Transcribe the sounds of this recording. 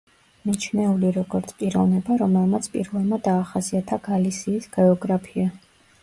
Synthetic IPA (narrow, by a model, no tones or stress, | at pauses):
mit͡ʃʰnɛuliɾɔɡɔɾt̪sʰpʼiɾɔvnɛbaɾɔmɛlˠmat̪sʰpʼḭɾvɛlˠmad̪aːχasiat̪ʰaɡ̥alisiːsɡ̥ɛɔɡɾapʰia